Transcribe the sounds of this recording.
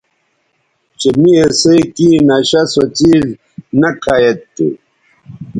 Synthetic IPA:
t͡ɕemiesekinɐɕɐsot͡ɕiːz | nɐkʰajet̪ːṵ

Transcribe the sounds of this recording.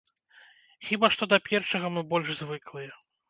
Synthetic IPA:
xʲibaʂt̪ɔd̪ɐpʲɛrʂɐɣɐmɨbɔlʲʐzvɨklˠɨjɛ

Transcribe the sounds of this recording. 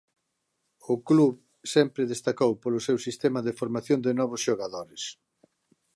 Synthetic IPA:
ʊkluβ | sɛmpɾɪðest̪akowpolʊsewsist̪ɛmɐðefoɾmaθjond̪ɪnɔβ̞ʊsʃoɣaðoɾɪs

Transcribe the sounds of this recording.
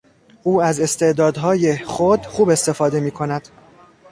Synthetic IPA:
uːæze̞st̪e̞ʔd̪ɒːd̪ɦɒːjeχod̪̥χuːbe̞st̪e̞fɒːd̪e̞miːkʰo̞næd̪̥

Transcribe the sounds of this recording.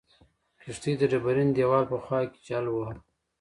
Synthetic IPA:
kiʂt̪id̪əɖabaɾind̪jawɑːlpəxwɑːki̥t͡ʃalwa

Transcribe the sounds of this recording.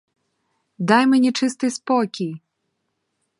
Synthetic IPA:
d̪ɑjmenʲit͡ʂɪst̪ɪjspɔkʲij

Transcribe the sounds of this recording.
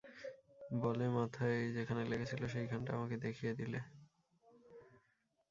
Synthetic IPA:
bɔlemat̪ʰajd͡ʑekʰaneleɡet͡ɕʰiloʃ̬ejɡʱanʈaa̰maked̪ekʰijed̪ile

